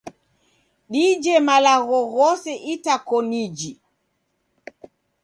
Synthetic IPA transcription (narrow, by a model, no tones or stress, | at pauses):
ɗid͡ʒɛmalaɣɔɣɔsɛʔitakɔnid͡ʒi